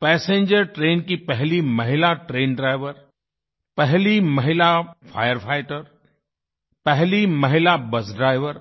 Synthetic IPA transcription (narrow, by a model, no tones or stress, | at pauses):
pɛːsẽːɲd͡ʒəɾʈɾeːnkipɛɦlimɐɦɪlaʈɾeːnɖɾaːɪʋəɾ | pɛɦlimɐɦɪlafʰaːjəɾpʰaːɪʈəɾ | pɛɦlimɐɦɪlabɐsɖɾaːɪʋəɾ